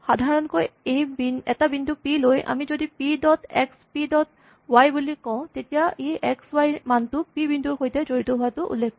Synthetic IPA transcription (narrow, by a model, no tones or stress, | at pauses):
xadʱaɹɔnkojejbinɛ̰tabindʱupilojʔa̰mizodipidɔtʰɛ̰kspidɔt̚ | wajbulikɔ̃ʊ̃tetijaʔejʔɛkswajmantʊpibindʱuɹxojtɛzoɹitɔɦʊatʊʔṵlːek̚ʰː